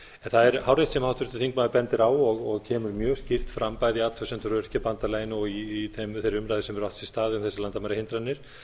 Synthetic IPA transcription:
ɛnθaðɛɾhawɾejht̪sɛmhawht̪ʏɾt̪ʏ̥θiŋkmaðɪpɛnt̪ɪɾaːwɔɣɔɣcʰɛːmʏɾmjœːɣscir̥t̪fɾampaːjðiat̪ʰvœsɛnt̪ʏɾvɛɾ̥capant̪alaːjɪnɔɣiːθemθejɾʏmɾaːðɪsɛmɛɾɔft̪sist̪aːðɪʏmθɛsːalant̪amaɾɪhɪnt̪ɾanːɪɾ̥

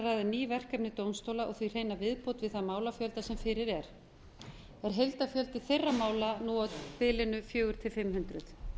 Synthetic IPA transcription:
rajðʏniːvɛr̥kapnɪt̪ownst̪oːwlaʔɔɣθvir̥eːjnavɪðpowt̪vɪðθamaːwlafjœlt̪asɛmfɪɾɪɾɛɾ̥ | ɛɾ̥ɦejlt̪afjœlt̪ɪθejrːamaːwlanuawpɪːlɪnʏfjœːɣʏɾ̥t̪ʰɪlfɪmhʏnt̪ɾʏθ

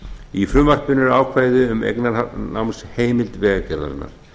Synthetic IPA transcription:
ifɾʏmvar̥pɪnɛɾaːwkʰvaːjðʏʏmḛjknaɾna̰wnsheːjmɪlt̪vɛːɣacɛɾða̰ɾɪ̰nːa̰ɾ̥

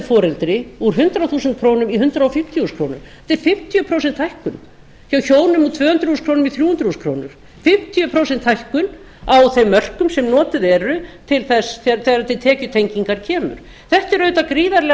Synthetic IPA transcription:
fɔːɾɛlt̪ɾɪuɾ̥ɦʏnt̪ɾawθuːsɛnt̪̚kʰɾoːwnʏmiɦʏnt̪ɾaɔfɪm̥t̪juskʰɾownʏm | t̪ɛɾfɪm̥t̪ʰjʏpʰɾoːwsɛnt̪hajhkʏn | çaːwçoːwnʏmut̪ʰvœːhʏnt̪ɾhuːskʰɾoːwnmiθɾjuːhʏnt̪ɾθuskʰɾo̰ːwnʏɾ̥ | fɪm̥t̪ʰjʏpʰɾowsɛnt̪hajhkʏn | awθejmːœr̥kʏmsɛmnɔːt̪ɪðɛɾʏt̪ʰɪlθɛsθɛθɛːɣɾat̪ʰɪt̪ʰɛːcʏt̪ʰejɲciŋkaɾcʰɛːmʏ̰ɾ̥ | θɛht̪ɪɾœːɥt̪akɾiːðaɾlɛ

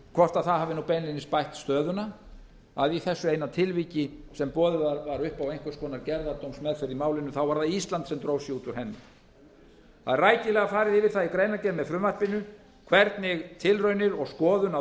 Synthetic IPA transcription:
kʰvɔr̥t̪aðθaðhaːvɪnupɛnlɪnːɪspajht̪st̪œːðʏna | aðiθɛsːʏeːjnat̪ʰɪlviːcɪsɛmpɔːðʏvaɾvaɾʏhpawejnŋ̥kʏskʰɔːnaɾcɛɾðat̪owmsmɛðfɛɾðimaːwlɪnːʏθawvaɾðaðist̪lant̪sɛmt̪ɾoːwfsjɛuːt̪ʏɾ̥hɛnːɪ̰ | haðraːjcɪlɛɣafaːɾɪðɪvɪɾ̥θaðikɾeːjnacɛlmɛðfɾʏmvahpɪnʏ | kʰvɛɾt̪nɪɣt̪ʰɪlrœːɥnɪɾɔɣskɔːðʏna

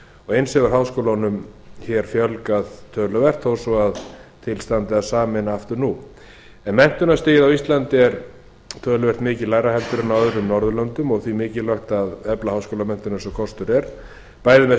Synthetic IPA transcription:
ɔɣejnsɛɣʏɾ̥ɦawskowlanʏmçɛɾ̥fjœlkaðt̪ʰœːlʏvɛr̥t̪θowsɔaðt̪ʰɪlst̪ant̪ɪaðsaːmɛnaaft̪ʏɾnu | ɛnmɛn̥t̪ʏnast̪ɪːjɪðawist̪lant̪ɪɛɾ | t̪ʰœːlʏvɛr̥t̪mɪːcɪlaːjɾaɦɛlt̪ʏɾɪnawœðɾʏmnɔɾðʏlœnt̪ʏmɔɣθvimɪːcɪlœɥxt̪aðɛplahawskowlamɛn̥t̪ʏnasɔkʰɔst̪ʏɾɛɾ̥ | paːjðɪmɛ

